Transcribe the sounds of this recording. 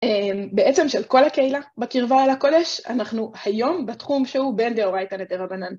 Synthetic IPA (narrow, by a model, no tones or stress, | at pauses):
embeet͡se̞mʃelko̞lhakeilabekiʁvaalako̞de̞ʃa̰naχnuhajo̞mbetχumʃehube̞ndeoʁajtanet̪eʁabanan